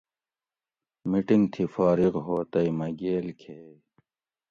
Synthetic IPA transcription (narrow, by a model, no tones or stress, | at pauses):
miʈiŋɡt̪ʰifaːɾiɣɦoːt̪ɐjmɐɡeːlkʰeː